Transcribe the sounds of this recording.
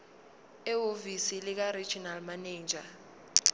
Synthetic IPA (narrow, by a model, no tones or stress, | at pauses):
ɛovisilɪk̬ari̥d͡ʒ̥ʱinalmaneːnd͡ʒʱa